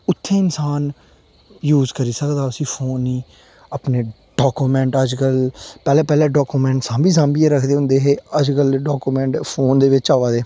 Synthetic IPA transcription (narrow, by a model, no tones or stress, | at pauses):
ʊt̪ʰːeːɪnsaːn | juːzkəɾiːsəkd̪aːəsĩːpʰoːnːĩː | apneː | ɖɔːkuːmɛ̃ːɳʈəd͡ʒkəlpɛːlɛːpɛːlɛːɖɔːkuːmɛ̃ːɳʈsãːmbiːsãːmbiːeːɾəkʰd̪eːɦʊ̃nd̪eːɦeːəd͡ʒkəlɖaːkuːmɛ̃ːɳʈpʰoːnd̪eːʋɪt͡ʃaːʋaːd̪eː